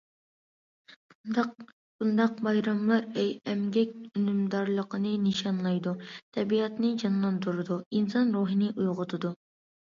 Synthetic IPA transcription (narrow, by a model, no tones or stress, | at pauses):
bund̪ɑqbɑjɾɑmlˠɑɾɛjɛmɡʲɛkʲynymd̪ɑɾlˠəqʰənɨnɨʃɑnlˠɑjd̪ut̪ʰɛbiɑt̪nɨd͡ʒɑnlˠɑnd̪uɾɨd̪uinsɑnɾuːɦɨnɨʔujʁʊt̪ʰɨd̪u